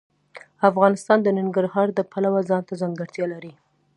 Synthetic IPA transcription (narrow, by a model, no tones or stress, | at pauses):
afɣɑnɪst̪ɑnd̪ənɪŋɡaɾhɑɾd̪əpʰalawazɑnt̪azaŋɡəɾt̪jɑlaɾi